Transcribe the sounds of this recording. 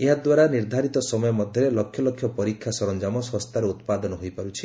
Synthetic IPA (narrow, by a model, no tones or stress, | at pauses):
eɦad̪waɾaniɾd̪ʱaɾit̪ɔsɔmɔjɔmɔd̪ʱjɔɾelɔkʰːjɔlɔkʰːjɔpɔɾikʰːjasɔɾɔnd͡ʒamɔsɔst̪aɾeut̪pad̪ɔnɔɦojpaɾut͡ʃʰi̥